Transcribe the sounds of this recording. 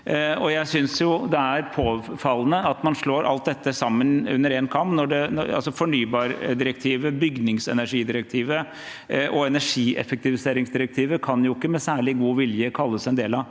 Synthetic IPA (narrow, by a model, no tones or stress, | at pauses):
ɔjæɪsʏnsjʊd̪ɛæɾpʰoːfɑlːənəɑt̪mɑnʂɭoːɾʔɑ̰lt̪̚d̪ɛt̪ːəsɑmːənʉ̰nːəɾɛnkʰɑmpnɔɖɛnɔ̰ɑ̰lsɔfɔɳyːbɑːɾd̪ɪɾək̚t̪ʰiːʋəbʏɡnɪŋsɛ̰næʂiːd̪ɪɾək̚t̪ʰiːʋə | ʔɔɛnæʂiːʔɛ̰fək̚t̪ɪʋɪseːɾɪŋsd̪ɪɾək̚t̪ʰiːʋəkʰɑnjʊɪkːəmɛsæːɭɪɡuːʋɪljəkʰɑlːəsɛnd̪eːlɑ